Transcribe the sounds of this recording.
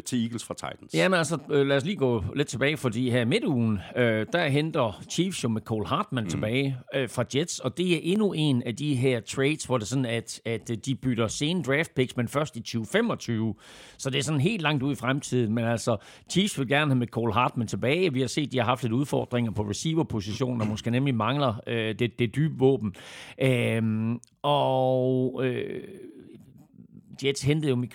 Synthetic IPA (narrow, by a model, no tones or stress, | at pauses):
t͡sʰe̝iːɡ̥l̩sfʁɑ̈t͡sʰɑ̈ɪd̥n̩sjæmenælsɒlæːɒsliːɡ̥ɔ̰̽ːle̝d̥̚t͡sʰe̝b̥ɛːɪfɒdḭːɦæɐime̝d̥uːn̩ød̥æɐɦend̥ɐt͡ɕʰiːfsjo̝mekʰɔːlɦɑ̈ːd̥mænt͡sʰe̝b̥ɛːɪfʁɑ̈d̥jed̥sɒ̽d̥e̝æɐʔe̝nue̝næd̥iɦæɐ̰t͡sʰʁeɪd̥sʋɒd̥e̝sɒ̽n̩æd̥æd̥ːib̥yɾ̥ɐse̝ːnəd̥ʁɛːfd̥̚pʰeɡ̥smenfɶɐsd̥it͡ɕʰyːʊfem̰ɒ̽t͡sʰyːʊ | sɒ̽d̥eæɐsɒ̽n̩ɦe̝̰ːld̥lɑ̈ŋ̰d̥uðˠifʁamt͡sʰið̰ˠn̩menæl̰sɒ̽ | t͡sʰiːsʋe̝lɡ̥æɐnəɦæmekʰɒlɦɑ̈ːd̥mənt͡sʰe̝b̥ɛːɪʋihɑ̈se̝̰ːd̥ihɑ̈ɦɑ̈fd̥le̝duð̞ˠfɒ̰ːd̥ʁeŋɐpʰɒ̽ʁesiːʋɐpʰo̝siɕo̝̰ːnd̥ɒmɒsɡ̥ənemlimɑ̈ŋlɐød̥ed̥e̝d̥yːb̥əʋɔ̰̽ːb̥n̩ʔøm | ɒ | ø | d̥ed̥shend̥ð̩ˠjo̝me